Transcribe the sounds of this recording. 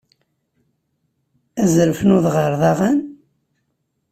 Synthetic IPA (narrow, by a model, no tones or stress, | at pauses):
æzɾfnuðʁəɾˤðɑʁan